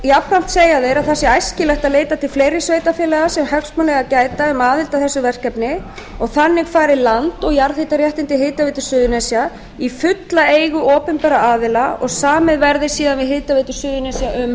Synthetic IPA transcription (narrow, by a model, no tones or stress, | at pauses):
japːam̥t̪seːjaðɪɾaðθɛsɪajscɪlɛht̪aðleːjt̪at̪ʰɪlfleːjɾɪsveːjt̪afɪːlɛɣasɛmhœksmanlɛɣacaːjt̪aʏmaːðɪlt̪aθɛsːʏvɛr̥kɛpnɪ | ɔɣθanːɪɣfaːɾɪlant̪ɔɣjaɾθet̪aɾjɛht̪ɪnt̪ɪɦeːjt̪aveɪːt̪ʏ̥sʏːðʏnɛsja | ifʏt̪laeːjɣʏʔɔːpɛmpɛɾaaːðɪlaɔ̰ɣsaːmɪðvɛɾðɪ̥siːðanvɪðɦeːt̪avɪːt̪ʏ̥sʏːðʏnɛsjaʔʏm